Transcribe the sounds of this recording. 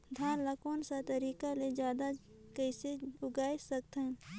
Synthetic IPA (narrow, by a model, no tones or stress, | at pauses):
d̪ʱaːnləkoːnsat̪əɾiːkaled͡ʒjaːd̪a | kəseʊɡaːjsək̚t̪ɛ̃